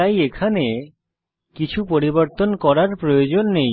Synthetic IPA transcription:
ajekʰane | kit͡ɕʰupoɾiboɾt̪onkɔɾaɾpɾojod͡ʑonːej

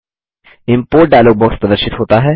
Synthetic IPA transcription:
ɪ̃mpoːɾʈ̚ɖajloːɡ̚bɔːkspɾɐd̪əɾʃɪt̪ɦoːt̪aɦɛ

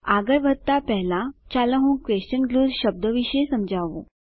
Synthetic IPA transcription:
aɡəɾʋʱət̪apɛɦlãt͡ɕaləɦũːkʋeɕt͡ɕənɡluːd̪ɕəb̚d̪əʋiɕesəmd͡ʑʱaʋo̰

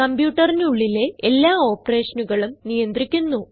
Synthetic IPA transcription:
ɐmbjuːʈːɐrnuɭːile̞elːaːo̞ːpɐre̞ːʂɐnuɣɐɭumnijɐnd̪rikʲːunːu

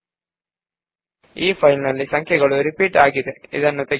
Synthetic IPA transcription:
iːpʰɐjlnɐlːisɐŋkʰjɛɡɐɭuɾipiːʈaːɡid̪eḭd̪ɐnːut̪e

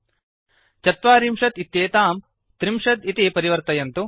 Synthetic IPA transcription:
t͡ʃɐt̪ʋaːɾimʂɐt̪it̪jeːt̪aːm | t̪ɾimʂɐt̪it̪ipɐɾiʋɐɾt̪ɐjɐnt̪u

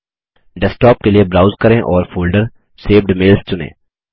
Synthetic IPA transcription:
ɖɛsʈɔːp̚keliebɾaːʊzkɐɾẽʔɔːɾfoːlɖəɾ | seːʋɖmɪːlst͡ʃʊnḛ̃ː

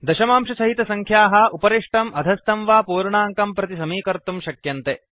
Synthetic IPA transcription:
d̪ɐʃɐmaːmʃɐsɐɦit̪ɐsɐŋkʰjaːɦɐ̆ʔupɐɾiʂʈɐmʔɐd̪ʱɐst̪ɐmʋaːpuːɾɳaːŋkɐmpɾɐt̪isɐmiːkɐɾt̪umʃɐkjɐnt̪e

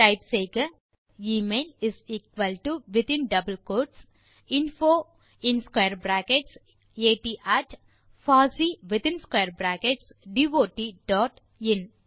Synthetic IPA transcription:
ʈaɪpseːɡɐ | iːmeːliziːkʋəlʈuʋɪt̪ĩnɖɐbəlkoːɾʈs | ĩnfoː | ĩnskwejəɾbɾæːkeʈs | eːʈiːʔæːʈ | faːsiːʋɪt̪ɪ̃nskeːəɾbɾæːkeʈsɖiʋoːʈiɖɔːʈ | in

